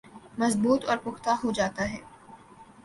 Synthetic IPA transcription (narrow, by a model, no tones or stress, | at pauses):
mɐzbuːt̪ɔːɾpʊxt̪aɦod͡ʒaːt̪aɦɛː